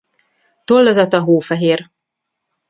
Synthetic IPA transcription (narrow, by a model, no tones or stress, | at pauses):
t̪olːɒzɒt̪ɒɦoːfɛɦeːr